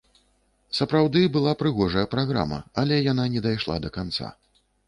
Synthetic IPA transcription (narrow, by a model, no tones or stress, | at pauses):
sɐpɾawd̪ɨbɨlˠapɾɨɣɔʐɐjɐpɾaɣɾa̰mɐ̰alʲɛjananʲɛd̪ajʂlˠa̰d̪ɐkant̪sa̰